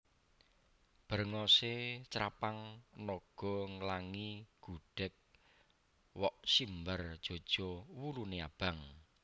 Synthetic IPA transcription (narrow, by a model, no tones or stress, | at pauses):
b̥ərŋɔset͡ʃɾa̰paŋnɔɡ̥ɔ̤ŋəlaŋiɡ̥uɖ̥ɛk̚ | wɔʔsimbərd̥ʒ̥o̤d̥ʒ̥ɔwuluneab̥a̤ŋ